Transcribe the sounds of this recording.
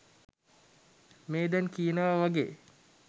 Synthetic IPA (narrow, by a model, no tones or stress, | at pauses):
meːd̪ɛnkiːnaʋaʋaɡḛː